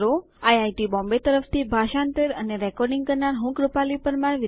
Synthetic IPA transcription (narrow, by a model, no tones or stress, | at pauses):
ɾo | ajajʈibɔ̃mbet̪əɾəft̪ibʱaʃant̪əɾəneɾɛkɔɾɖiŋɡkəɾnaɾɦũkɾupalipəɾmaɳʋi